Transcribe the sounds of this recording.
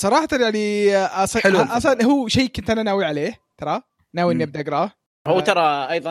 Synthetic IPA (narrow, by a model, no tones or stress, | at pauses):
sˤɑɾˤɑːħɑt̪ɑjaʕniʔɑsˤɑħɪlʔɑsˤɑnɦuːʃaːkʊnt̪ʔananaːwiʕaleːht̪ɑɾˤɑ | naːwiɪnːab̚d̪aʔɡɾˤɑːh | huːt̪ɑɾˤɑʔɑjðˤɑ